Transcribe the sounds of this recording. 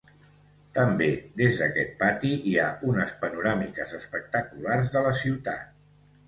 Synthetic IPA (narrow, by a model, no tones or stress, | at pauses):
t̪əmbed̪ezðəkɛt̪̚pat̪iiaʔunəspənuɾamikəzəspək̚t̪əkularzðələsiwt̪a̰t̪̚